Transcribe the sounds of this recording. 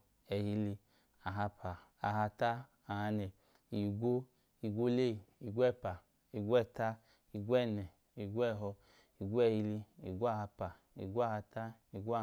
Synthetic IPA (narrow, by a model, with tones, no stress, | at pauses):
ɛ˧hi˧li˧ | a˨ɦa˧pʰa˨a˨ɦa˧ta˦ | a˨ha˧nɛ˨ | i˨ɡʷo˦ | i˨ɡʷo˦le˦˨i˨ɡʷɛ˦˨pa˨ | i˨ɡʷɛ˦˨ta˦ | i˨ɡʷɛ˦˨nɛ˨ | i˨ɡʷɛ˦˨ɦɔ˧ | i˨ɡʷɛ˦˨hi˧li˧ḭ˨ɡʷo˦a˦˨ha˧pa˨ | ḭ˨ɡʷo˦a˦˨ha˧ta˦ | i˨ɡʷa˦˧